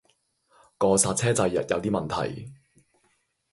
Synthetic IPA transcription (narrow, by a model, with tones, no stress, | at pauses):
kɔː˧saː˧t̚t͡sʰɛː˥t͡sɐ˧jːɐ̰˨t̚jɐ˨˧wt̪iː˥mɐ˨nt̪ʰɐ̰˨˩j